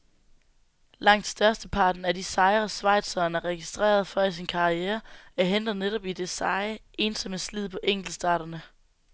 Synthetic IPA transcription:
lɑ̈ŋ̰d̥sd̥ɶɐsd̥əpʰɑ̈ːd̥n̩æd̥isɑ̈ɪɐsʋɑ̈ɪ̰d̥sɒnæʁɛɡ̥isd̥ʁḛːɐð̞ˠfɒisinkʰɑ̈ieːɐæɐɦen̰d̥ð̩ˠneɾɒ̽b̥id̥e̝sɑ̈ɪʔe̝ːnsɒ̽məslið̞̰ˠpʰɒ̽ʔeŋ̰ɡ̥l̩̥sd̥ɑ̰̈ːɾɐnə

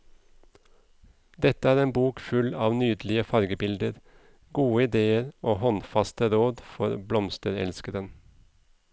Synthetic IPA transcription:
d̪ɛt̪əæːɾeːnbuːkfʉlɑːʋnyːd̪lɪəfɑɾɡəbɪld̪əɾ | ɡuːəɪd̪eːəɾoːhɔnfɑst̪əɾoːd̪fɔɾblɔmst̪əɾɛ̰lskəɾən

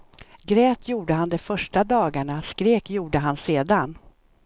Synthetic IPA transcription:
ɡɾɛːt̪ʰjuːɖəɦand̪ɛfœʂʈad̪ɑːɡaɳaskɾeːkjuːɖəɦanseːd̪an

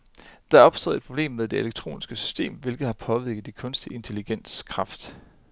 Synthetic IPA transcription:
d̥ɑ̈æɐɒ̽b̥sd̥ɔ̰ðˠed̥̚pʰʁo̝b̥le̝̰ːmːeðˠd̥eeleɡ̥̚t͡sʰʁo̝̰ːnisɡ̥əsy̥sd̥e̝̰ːmʋe̝lɡ̥ð̩ˠhɑ̈pʰɒ̽ʋiɐ̰ɡ̥ð̩ˠikʰɔ̽nsd̥ie̝nt͡sʰe̝liɡ̥en̰skʰʁɑ̈fd̥

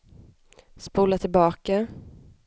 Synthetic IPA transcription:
spuːlat̪ʰɪlbɑːka

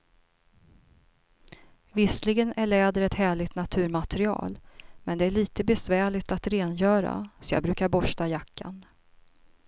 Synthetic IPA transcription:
vɪslɪɡənæɭɛːd̪əɾɛt̪hæːɭɪɡt̪nat̪ʰʉ̟ːɾmat̪ɾɪɑ̰ːlmɛnd̪ɛæɭiːt̪əbɛsvæːɭɪɡt̪at̪ɾeːnjœːɾa̰sɔjɑ̰ːbɾʉ̟ːkaɾbɔʂʈajakʰːa̰n

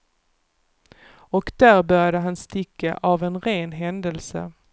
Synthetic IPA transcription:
ɔkd̪æːɾbœɾjad̪əɦanst̪ɪkːa̰ʔavɛnɾeːnɦɛnd̪əlsə̰

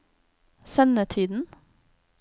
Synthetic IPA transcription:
sœnət̪ʰiːd̪n̩

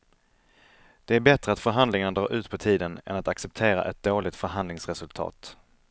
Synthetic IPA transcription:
d̪̥ɛæɾbɛt̪ɾəat̪fœɾɦand̪lɪŋanad̪ɾɑːɾʔʉ̟ːt̪pʰɔt̪ʰiːd̪ənɛ̰nat̪aksɛp̚t̪ʰeːɾa̰ʔɛt̪̚d̪oːlɪɡ̚t̪fœɾɦand̪lɪŋsɾɛsɵlt̪ʰɑ̰ːt̪

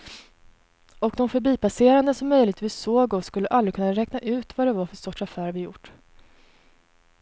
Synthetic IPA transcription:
ɔkd̪ɔmfœɾbiːpaseːɾand̪əsɔmːœjlɪɡ̚t̪viːssoːɡɔskɵlːəʔald̪ɾɪkʰɵnːaɾɛknaʔʉ̟ːt̪vad̪ɛvaɾfœsɔʈːafæːɾvɪjʊ̰ʈː

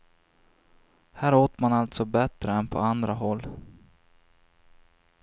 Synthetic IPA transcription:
hæːɾoːt̪manalt̪sɔbɛt̪ɾəɛnpʰɔ̰and̪ɾaɦɔlː

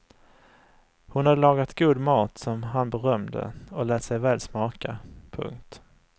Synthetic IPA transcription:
hʊnhad̪ːəlɑːɡat̪ɡuːd̪mɑːt̪sɔmɦanbɛɾœmd̪ə̰ɔlɛːt̪sɛjvɛːlsmɑːkapʰɵ̰ŋkt̪

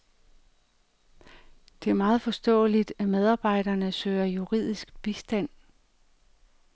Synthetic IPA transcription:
d̥e̝æɐmɑ̈ːð̞̩ˠfɒ̽sd̥ɔ̰̽ːlid̥æmeð̞ˠɑ̈ːb̥ɑ̈ɪ̰d̥ɐnəsø̰ːɐjuʁḭð̰ˠisɡ̥̚b̥isd̥æn̰

